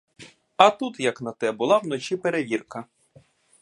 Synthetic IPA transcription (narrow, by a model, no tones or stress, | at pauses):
ɐt̪ut̪jɐknɐt̪ɛbʊlˠɑwnɔt͡ʃipeɾeʋʲirkɐ